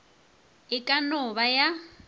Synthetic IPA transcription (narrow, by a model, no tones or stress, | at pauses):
ɪkʼanɔβaja